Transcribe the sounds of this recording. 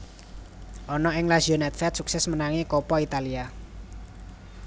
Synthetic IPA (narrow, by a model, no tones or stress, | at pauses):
ʔɔnɔɪŋlasionɛt̪̚fɛt̪suksɛsmənaŋikɔpɔit̪alia